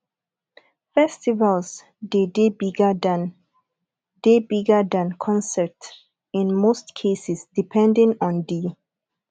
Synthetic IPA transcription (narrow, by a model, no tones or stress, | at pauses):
fɛstivals | dedebiɡadãn | debiɡədãnkʰɔ̃nsə˞t | ĩnmostkʰesisdipʰɛ̃ndĩŋɔ̃ndi